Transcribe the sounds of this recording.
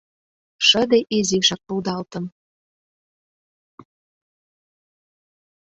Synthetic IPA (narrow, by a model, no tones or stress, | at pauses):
ʃə̆d̪eʔiziʃɑk̚puld̪ɑlt̪ə̆m